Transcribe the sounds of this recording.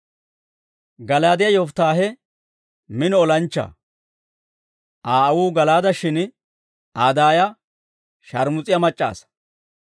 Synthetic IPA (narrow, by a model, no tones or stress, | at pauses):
ɡɐlaːd̪ɪjɐjɔft̪aːɦɛ | mɪnɔɔlɐnt͡ʃːɐ̰ | ʔaːɐwuːɡɐlaːd̪ɐʃɪn | aːd̪aːjɐ | ʃɐɾmʊt͡sʼɪjɐmɐt͡ʃʼːa̰ːs